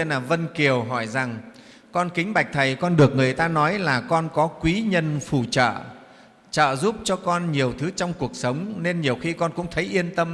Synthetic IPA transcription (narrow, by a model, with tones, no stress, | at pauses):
e˧naː˨˩və˧nki˨˩əwɦɔ˧˩jza˨˩ŋ | kɔ˧nkï˨˦ŋ̟ɓa˨˩jk̟̚t̪ʰə˨˩jkɔ˧nɗɨ˨˩ək̚ŋɨ˨˩əjt̪aː˧nɔ˨˦jlaː˨˩kɔ˧nkɔ˨˦kwi˨˦ɲə˧nfu˧˩t͡ɕə̰ː˧˨ | t͡ɕə̰ː˧˨zu˦˥p̚t͡ɕɔ˧kɔ˧nɲi˨˩əwt̪ʰɨ˨˦t͡ɕɔ˧wŋ͡mku˨˩ək̚sə˨˦wŋ͡mne˧nɲi˨˩əwxi˧kɔ˧nkʊ̰˧˥ŋ͡mt̪ʰə˨˦jʔi˧ənt̪ə˧m